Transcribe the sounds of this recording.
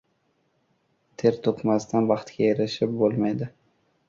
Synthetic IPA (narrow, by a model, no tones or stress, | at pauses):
t̪ʰe̞ɾt̪ʰopmast̪ʰanvɑχt̪kʲaeɾɪʃɪp̚bolˠmajd̪ɪ